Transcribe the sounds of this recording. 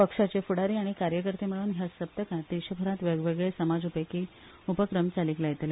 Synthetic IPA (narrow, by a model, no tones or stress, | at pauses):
pəkʂat͡ɕefuɽaɾiːaɽ̃ikaɾjəkəɾt̪eməɭuːnɦjasəp̚t̪əkat̪iɕəbʱəɾat̪ʋeɡʋeɡɭesəmad͡zupəjki | upəkɾəmt͡saliklaɡt̪le